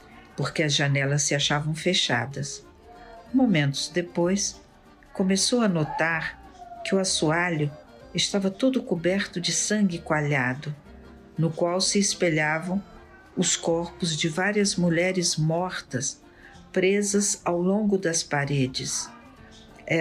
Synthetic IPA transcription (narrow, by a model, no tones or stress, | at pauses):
poɾkɪɐzʒɐnɛlɐsːɪaʃavɐ̃w̃feʃa̰d̪ɐs | mõmẽnt̪ʊ̥zd̪epojs | kõmesowɐnot̪aɾkɪʊasuaʎʊ | ɪst̪avɐt̪od̪ʊkubɛɾt̪ʊd͡ʒɪsɐ̃ŋɡɪkwaʎad̪ʊ | nʊkwawsɪːspeʎavɐ̃w̃ | ʊskɔɾpʊzd͡ʒɪvaɾiɐzmuʎɛɾɪzmɔɾt̪ɐs | pɾezɐzawlõɡʊd̪ɐspaɾed͡ʒɪs | ɛ